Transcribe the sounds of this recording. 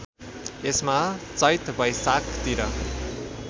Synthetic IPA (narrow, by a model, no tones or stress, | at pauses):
esmat͡sʌjt̪bʌjsakt̪iɾʌ